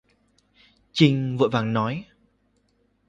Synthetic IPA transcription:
t͡ɕi˧ŋ̟və̰ː˧˨jvaː˨˩ŋnɔ˨˦j

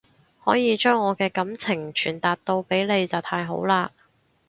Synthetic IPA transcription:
hɔː˨˥jiː˨˧t͡ʃœː˥ŋːɔː˨˧kɛː˧kɐ˨˥mt͡sʰɪ˨˩ŋt͡ʃʰyː˨˩nt̪aː˨˩t̚t̪o˧wpe˨˥jle˨˧jt͡sɐ˨˩wt̪ʰaː˧jɦo̰˨˥wlaː˧

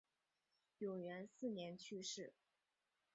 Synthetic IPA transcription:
jʊ˨˩ŋɥɛ˧˥nsɹ̩˥˩njɛ˧˥nt͡ɕʰy˥˧ʂɻ̩˥˩

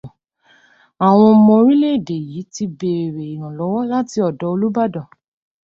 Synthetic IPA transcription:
a˨w̃ɔ̃˧mɔ̃˧ɾi˦le˦˨de˨ji˨˦ti˧be˨ɾe˨i˨ɾ̃ã˨lɔ˨˦wɔ˦la˦ti˧ɔ˨dɔ˨˦o˧lu˦ba˦dɔ˨

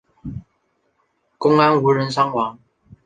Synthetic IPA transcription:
kʊ˥ŋa˦nu˧˨˥ɻə˨˦nsɑ˥ŋwɑ˨˦ŋ

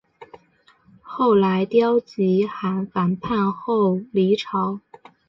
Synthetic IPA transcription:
xo˥˩ʊla˧˥ɪt̪jɑ˥ʊt͡ɕi˧˥xa˨˩nfa˨˩npʰa˥˧nxo˥˩ʊli˧˥ʈ͡ʂʰɑ˧˥ʊ

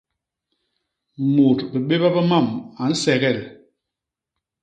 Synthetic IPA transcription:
mo˨tbi˨ɓe˦ba˦ba˦ma˦˨ma˨n̩˦sɛ˨ɡɛ˦˨l

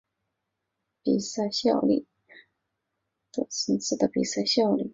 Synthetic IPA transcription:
pi˨˩sa˥˧ɪɕjɑ˥˧ʊlḭ˥˩ | tə˥˩sə˧˥ŋs̩˥˩d̪ə˩pḭ˨˩sa˥˩ɕjɑ˥˧ʊlḭ˥˩

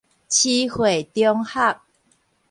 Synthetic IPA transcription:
t͡ɕʰi˦hwe˨˩t̪jɔ˦ŋha˥˨k̚

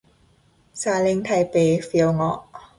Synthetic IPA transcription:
saː˧˦le˧ŋt̪ʰa˧˩jpeː˨˦fi˧˦ə˦wŋɔ˧˥ʔ

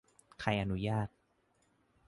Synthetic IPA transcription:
kʰa˧jʔa˧nu˦jaː˥˩t̪̚

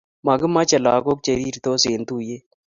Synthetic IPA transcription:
ma˨ɡɨ˦ma˦t͡ʃɐ˨laː˨ko˦k̚t͡ʃe˨ɾiː˦ɾt̪o˦se˨nt̪u˦je˦

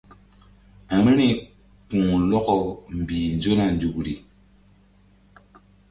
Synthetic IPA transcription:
a˨ɾi˦ni˨ | kũː˨lɔ˦kɔ˦˨m̩˨bi˨nd͡ʒo˦na˨n˦d͡ʒu˨kɾi˨

